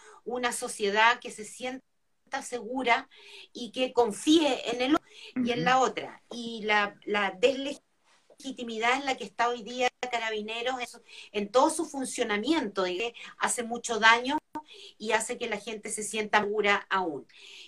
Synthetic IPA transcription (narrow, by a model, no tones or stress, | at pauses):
unaso̞sje̞ð̞ake̞se̞sje̞n | t̪ase̞ɣuɾa | ikeko̞ɱfieenelienlao̞t̪ɾa̰ilalaðesle | xit̪imiðaenlakest̪aojðiakaɾaβine̞ɾo̞seent̪o̞ðosufunsjo̞namje̞nt̪oðiɣea̰semut͡ʃo̞ðaɲoiase̞kelaxe̞nt̪e̞se̞sje̞nt̪aɣuɾaaun